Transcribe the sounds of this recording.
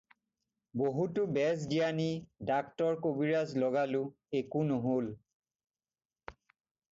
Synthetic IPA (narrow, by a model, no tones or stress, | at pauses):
boɦutʊbɛz̬dijanidaktɔɹkobiɹazlɔɡalʊ | ekunʊɦol